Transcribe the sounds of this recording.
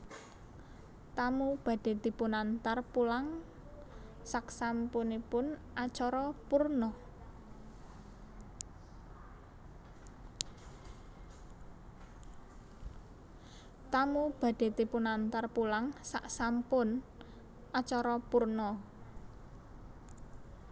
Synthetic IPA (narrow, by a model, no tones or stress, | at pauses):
t̪amub̥ä̤d̥e̤t̪ipunant̪arpulaŋ | saksampʊnipʊnʔat͡ʃɔɾɔpurnɔ | t̪amub̥a̤d̪̥e̤t̪ipunant̪arpulaŋsaʔsampʊn | ʔat͡ʃɔɾɔpurnɔ